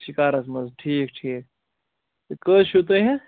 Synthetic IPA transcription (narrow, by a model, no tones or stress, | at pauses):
ʃikaːɾɐsmɐzʈʰiːk̚ʈʰiːk̪̚ | kəːʃut̪̬eɦɛ̃